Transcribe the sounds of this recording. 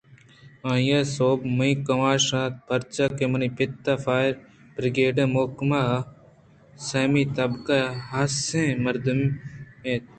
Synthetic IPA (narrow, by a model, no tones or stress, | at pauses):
ãːjasoːbmuĩkɐʋaːʃaːt̪̚pʰɐɾt͡ʃakemɐnipɪt̪ːafaːjɾ | bɾɪɡeːɖẽmokma | sɐːmiːt̪ɐbkaɦaːsẽmɐɾd̪umeːt̪̚